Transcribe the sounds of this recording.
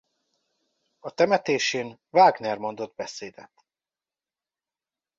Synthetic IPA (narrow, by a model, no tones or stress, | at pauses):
ɒt̪ɛmɛt̪eːʃeːnvaːɡnɛrmo̞nd̪o̞d̪̚bɛseːd̪ɛ̰t̪